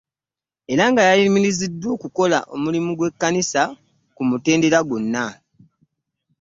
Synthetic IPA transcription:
e̞ɾaŋɡajaliimilizidːwo̞ːkuko̞la̰ʔo̞mulimuɡwe̞kːanisa | kumute̞ːnde̞ɾaɡonːa

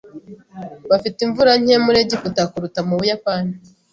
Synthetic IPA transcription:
βafitiɱvuɾaɲ̥emuɾeɟikutakuɾutamuβujapani

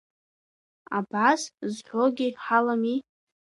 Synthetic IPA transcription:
abaszħʷoɡʲirħalami

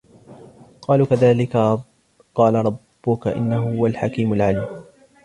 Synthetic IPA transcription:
qɑːluːkaðaːlɪka | qɑːlaɾˤɑbːʊkaʔɪ̰nːahʊhʊwalħakiːmalʕaliːm

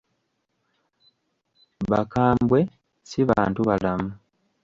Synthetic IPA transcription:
βakaːmbwe̞ | siβa̰ːntuβalamu

